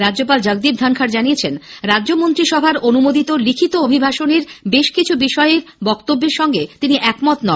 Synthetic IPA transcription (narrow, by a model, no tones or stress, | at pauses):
ɾadːd͡ʑopald͡ʑəɡ̚d̪ibd̪ʱankʰaɾd͡ʑaniet͡ɕʰenɾadːʑomont̪ɾiʃɔbʱaɾonumod̪it̪olikʰit̪oobʱibʱaʃoneɾbeʃkit͡ɕʰubiʃɔeeɾbɔkt̪obːeɾʃɔŋɡet̪iniʔɛkmɔt̪nɔ